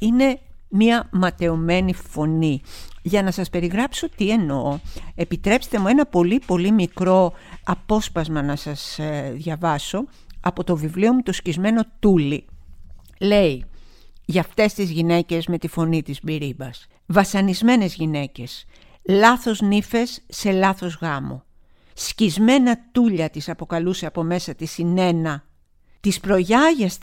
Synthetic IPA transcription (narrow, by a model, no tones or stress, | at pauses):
ine̞ | miɐmɐt̪e̞ome̞nifo̞niʝɐnɐsɐspe̞ɾiɣɾɐpso̞t̪ie̞no̞e̞pit̪ɾe̞pse̥t̪e̞mue̞nɐpo̞lipo̞limikɾo̞ɐpo̞spɐzmɐnɐsɐsðʝɐvɐso̞ | ɐpo̞t̪o̞vivlio̞mut̪oscizme̞no̞t̪uli | le̞i | ʝɐft̪e̞st̪izʝine̞ce̞zme̞t̪ifo̞nit̪izbiɾibɐs | vɐsɐnizme̞ne̞zʝine̞ce̞s | lɐθo̞znife̞sːe̞lɐθo̞zɣɐmo̞̰ | scizme̞nɐt̪uʎɐt̪isɐpo̞kɐluse̞ɐpo̞me̞sɐt̪isine̞nɐ | t̪ispɾo̞ʝɐʝɐs